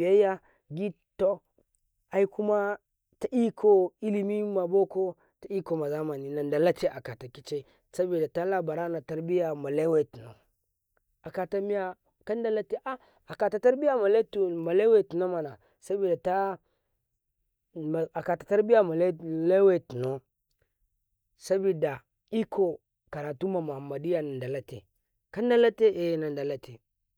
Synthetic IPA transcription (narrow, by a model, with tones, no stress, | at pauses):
ja˦ja˦ | ɡi˦ | to˦ | a˦i˦ku˦ma˦ | ta˨ʔi˦kʰo˦i˦li˨mi˦ma˨bo˦ko˦ | ta˨i˦ko˨ma˨za˦ma˨ni˨na˨nda˨la˦te˦ʔa̰˨ka˨ta˨ki˦t͡ʃe˦ | sa˦bi˨da˨ta˦la˦ba˨ɾa˦na˨ta˨ɾbi˦ja˨ma˨la˦we˦˨tu˨no˨ | a˨ka˨ta˨mi˦ja˦˨ | ka˦nda˦la˦te˦ʔa˦ | a˨ka˨ta˨ta˦ɾbi˦ja˦ma˨le˦tma˨le˦we˦˨tu˨no˦ma˨na˨ | sa˦bi˨da˨ta˦˨ | a˨ka˨tḁ˨ta˦ɾbi˦ja˦ma˨lle˦we˦˨tu˨no˦ | sa˦bi˨da˨ | i˦kʰo˦ | ka˨ɾa˨tu˦ma˨ma˨ma˨di˦ja˨na˨nda˨la˦tḛ˨ | ka˦nda˦la˦te˦ʔe˨jna˨nda˨la˦te˨